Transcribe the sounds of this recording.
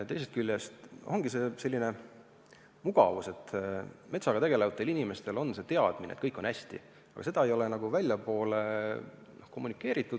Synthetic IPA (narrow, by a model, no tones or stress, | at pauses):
t̪e̞jsest̪̚kylʲːjest̪ʔo̞ŋɡ̥ise̞ːse̞lːine̞ | muɡ̥ɑ̰vuse̞t̪me̞t̪sɑɡɑt̪e̞ɡ̥e̞levɑt̪ːˑe̞linime̞st̪e̞lo̞nse̞t̪e̞ɑd̪̥minḛt̪kɤjkːˑo̞næsʲt̪ḭ | ɑ̰ɡɑ̰se̞d̪̥ɑe̞jo̞le̞nɑɡuvælʲːjɑpo̞ːle̞ | nohko̞mːunikːˑe̞ːɾit̪ˑːud̪̥